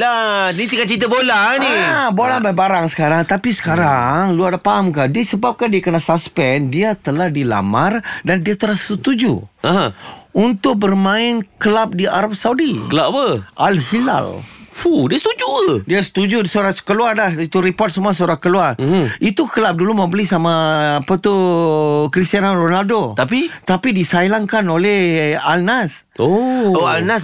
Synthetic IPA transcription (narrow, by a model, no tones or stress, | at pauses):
lanit̪ikat͡ʃit̪əbolanibolabajbaɾaŋsə̥kaɾaŋt̪apisə̥kaɾaŋluardapaɦamkaʔdiasəbap̚kandiakənasaspɛndiat̪əlahdila̰mardandiat̪əlahsət̪ud͡ʒṵaɦãunt̪ʊk̚bərmãɪnkəlap̚dia̰ɾap̚saudikəlappəʔalhila̰lfudiast̪ud͡ʒudiasə̥t̪ud͡ʒusuɾaskəluarlahit̪uɾipɔt̪̚səmuasuɾakəluar̩it̪ukəlap̚dulumə̃mbəlisamaːpat̪u | kɾist̪ianaronaldot̪apit̪apidisailaŋkanolɛhalnas | ooalnas